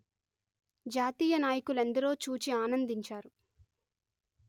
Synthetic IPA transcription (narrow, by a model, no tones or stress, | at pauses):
d͡ʒaːt̪iːjɐnaːjikule̞nd̪ɐɾo̞ːt͡ʃuːt͡ʃiaːnɐnd̪iɲt͡ʃaːɾu